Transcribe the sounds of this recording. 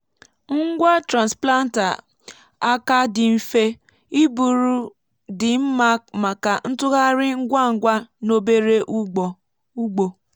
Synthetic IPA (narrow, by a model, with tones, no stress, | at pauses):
ŋ̩˦ɡʷa˦tɾa˨n˨spla˦n̩˦ta̰˨ | a˦ka˦dɪ˨m̩˦˨fe˦ | i˦bu˨ɾu˦ | dɪ˨m̩˦ma˦k̚ma˨ka˨n̩˦tʊ˦ɣa˦ɾɪ˦ŋ̩˦ɡʷa˦ŋ̩˨ɡʷa˦no˦be˦ɾe˦ʔɔ˨ | u˦ɡ͡bo˨